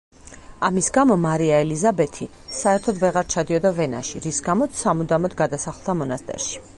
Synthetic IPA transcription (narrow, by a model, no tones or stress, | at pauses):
amisɡamɔmaɾiaɛlizabɛt̪ʰi | saɛɾt̪ʰɔd̪vɛʁaɾt͡ʃʰad̪iɔd̪avɛna̰ʃiɾisɡamɔt̪ssamud̪amɔd̪ɡad̪asaχlˠd̪amɔnast̪ʼɛ̰ɾʃi̥